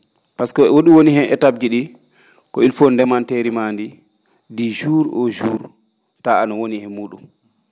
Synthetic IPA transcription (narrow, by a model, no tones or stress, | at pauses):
paskɔɛwoɗiwonihɛmʔɛ̰tab̚d͡ʒiɗi | kɔilfɔndɛmanteɾimaːndi | did͡ʒuːɾɔd͡ʒuːɾ | taanawonihɛmuːɗṵm